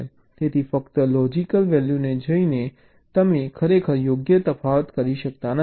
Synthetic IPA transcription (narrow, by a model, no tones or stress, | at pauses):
l | t̪et̪ʰifəkt̪əlɔd͡ʒikəlʋɛljuned͡ʒəine | t̪əmekʰəɾekʰəɾjoɡjət̪əfaʋət̪kəɾiʃək̚t̪an